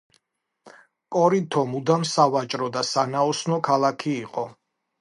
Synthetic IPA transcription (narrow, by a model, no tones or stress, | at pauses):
pʼɔɾit̪ʰɔmud̪amsavat͡ʃʼɾɔd̪asanaɔsnɔkʰalˠakʰiːqʼɔ